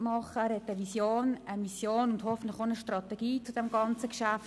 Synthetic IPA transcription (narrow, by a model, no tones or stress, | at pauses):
mɑχəɾhɛtəʋisjoːnəmisjoːnʊndhɔfən̩tlɪxonəʃtrɑt̪ɛɡ̥iːt͡sud̥ɛmɡɑnt͡səkʃaf